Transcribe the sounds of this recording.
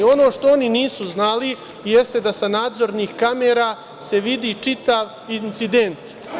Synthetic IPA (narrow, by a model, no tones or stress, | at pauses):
o̞no̞ːʂt̪o̞oniniːsuznali | je̞st̪e̞d̪asanaːd̪zo̞ɾniːxkameɾa | se̞ʋid̪it͡ʂit̪aʋ | int̪sid̪e̞nt̪